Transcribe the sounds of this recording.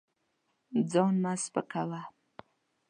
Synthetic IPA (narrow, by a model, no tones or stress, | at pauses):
d͡zɑnmaspə̰kawa